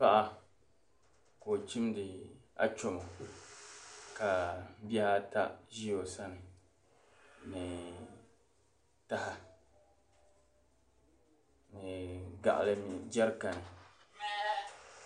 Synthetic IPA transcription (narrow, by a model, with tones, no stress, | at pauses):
pa˦ʔa˦ | ko˨t͡ʃi˦mdɪ˨a̰˦t͡ʃo˨mo˨ | ka˨m˦bɛ˦ha˦ta̰˦ʒi˦o˨sa˦nɨ˨ | mɪ˨ | ta˦ha˨ | mɨ˨ɡa̰˨ʔa̰˨lɨ˦m˨d͡ʒɛ˦ɾka˨nɨ˨